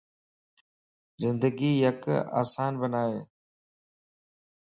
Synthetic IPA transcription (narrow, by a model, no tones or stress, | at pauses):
zɪ̃nd̪əɡiːjɐka̰ːsaːnbənaːeː